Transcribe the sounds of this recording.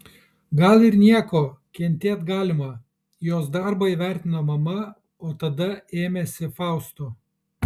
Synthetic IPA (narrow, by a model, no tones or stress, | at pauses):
ɡɐlˠɪɾnʲiɛkoːkʲɛnʲt̪ʲeːt̪ɡɑːlʲɪmɐ | joːs̬d̪ɑɾbɐiʋʲæˑɾʲt̪ʲɪnoːmɐmɐ | oːt̪ɐd̪ɐeːmʲɛsʲɪfɑˑʊst̪ʊ